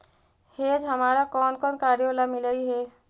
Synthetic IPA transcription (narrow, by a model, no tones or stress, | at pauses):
heːd͡ʒɦəmaːɾakɔːnkɔːnkaːɾjolamɪlaiɦɛ